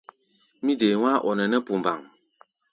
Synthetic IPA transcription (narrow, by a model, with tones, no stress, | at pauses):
mi˦de˨ŋʷaː˦ʔɔ̰˨nɛ˨nɛ˦pu˨m˨ba˨ŋ